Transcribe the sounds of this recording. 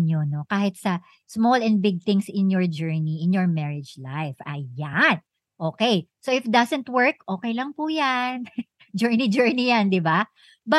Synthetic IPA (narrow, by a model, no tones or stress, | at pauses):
ɲono̞kaːhɪt̪̚sɐ | smolɛ̃n̚bɪɡ̚t̪ɪ̃ŋsɪ̃njɔɹd͡ʒɛɹniʔɪ̃njɔɹmɛɹɪd͡ʒla̰jfʔɐ̰jan | ʔoːkɛjsoʔɪfd̪ɐsɛ̃nt̪̚wɛɹkʔo̞ːkɛjlɐŋpujan | d͡ʒɛɹnid͡ʒɛɹnijand̪ɪba | bɐ